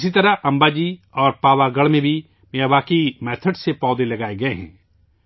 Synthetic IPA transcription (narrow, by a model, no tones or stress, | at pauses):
sit̪ɐɾaʔɐ̃mbaːd͡ʒiɔːɾpaːʋaɡɐɭmẽbʱi | meːjaʋaːkimɛːt̪ʰəɖsepɔːd̪ẽlɐɡaːeɡɐeɦɛ̰̃ː